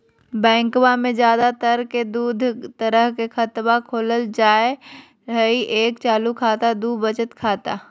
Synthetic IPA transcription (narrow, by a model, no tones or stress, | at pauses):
bɛ̃ːŋkwamẽd͡ʒjaːd̪at̪əɾked̪uːd̪ʱt̪əɾəɦkexʰət̪wakʰoːləld͡ʒaːe | ɾəiʔeːkt͡ʃaːlukʰaːt̪ad̪ubət͡ʃət̪kʰaːt̪a